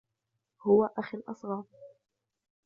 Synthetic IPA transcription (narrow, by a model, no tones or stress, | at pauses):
hʊwaʔaxalʔɑsˤɣɑːɾ̚ˤ